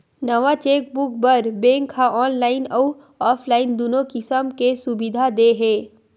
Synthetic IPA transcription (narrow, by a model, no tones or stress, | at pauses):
nəʋat͡ʃeːk̚bʊk̚bəɾbẽːŋkʰaʔɔːnlaːɪnɔu | ɔːpʰlaːɪnd̪uːnokɪsəmkesʊbɪd̪ʱad̪eɦɛː